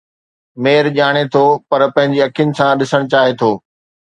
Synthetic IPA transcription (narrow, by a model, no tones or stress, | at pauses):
meːɾʄaːɽ̃et̪ʰopɐɾpɐ̃ɦɪ̃ɲd͡ʑiɐkʰijʊnɪ̆sãɗɪsəɽ̃t͡ɕaːɦet̪ʰoː